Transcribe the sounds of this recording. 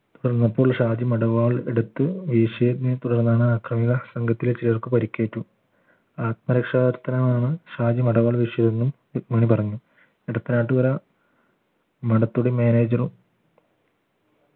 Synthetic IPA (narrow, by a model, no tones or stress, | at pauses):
t̪uɽɐrnːɐpːo̞ːɭʂaːd͡ʑimɐɽɐʋaːɭeɽut̪ːɨʋiʂeːd̪net̪uɽɐrnːaːɳɨaːkrɐmiɣɐsɐŋɡʱɐt̪ːilt͡ɕiiʋɐrkɨpɐɾikʲːeːʈːu | aːt̪̚mɐɾɐkʂaːd̪ɐɾt̪ːɐnɐmaːɳɨʂaːd͡ʑimɐɽɐʋaːɭʋiʂed̪enːum | mɐːɳipɐrɐɲːu | eɽɐt̪ːinaːʈːɨʋɐɾɐ | mɐɽɐt̪ːuɽemeːneːd͡ʑɐrum